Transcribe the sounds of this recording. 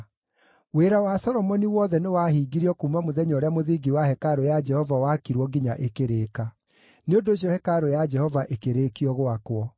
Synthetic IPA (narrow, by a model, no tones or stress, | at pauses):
weːɾawasɔɾɔmɔniwɔðɛnewahiːɡiɾiɔkumamoðɛɲɔɾeamoðiɡiwahɛkaɾojad͡ʒɛhɔvawakiɾwɔɡiɲaʔekeɾeːka | neodoɕ̬iɔhɛkaɾojad͡ʒɛhɔvaʔekeɾekiɔɣoakwɔ